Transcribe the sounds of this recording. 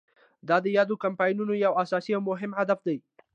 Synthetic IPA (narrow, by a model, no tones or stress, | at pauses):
d̪ɑd̪əjɑd̪okampɑjnunojawasɑsiawmʊɦɪmɦad̪afd̪aj